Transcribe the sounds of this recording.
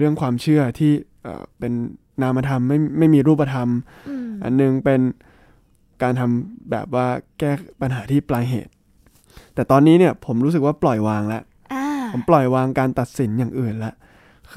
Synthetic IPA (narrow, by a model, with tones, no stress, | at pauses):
ɾɯ˥˩əŋkʰwaː˧mt͡ɕʰɯ˥˩ɐt̪ʰiː˥˩ʔɤ̰ː˨˩pe˧nː | aː˦˥mːa˧t̪ʰa˧mːa˥˩jma˥˩jmiː˧ɾuː˥˩p̬ːa˧t̪ʰa˧m | ʔa̰˧nːɯ˨˩ŋpe˧n | kaː˧nt̪ʰa˧mbɛ̰ː˨˩p̚waː˥˩kɛː˥˩pa˧nɦaː˩˦t̪ʰiː˥˩plaː˧ŋɦḛː˨˩t̪̚ː | ɛː˨˩t̪ɔː˧nːiː˦˥ni˥˩ɐpʰo˩˦mɾuː˦˥s̬k̚waː˥˩plɔ˨˩jwaː˧ŋlɛ˦˥ʔ | pʰo˩˦mplɔ˨˩jwaː˧ŋkaː˧nt̪a˨˩t̪̚si˩˦njaː˨˩ŋʔɯː˨˩nlɛ˦˥ʔ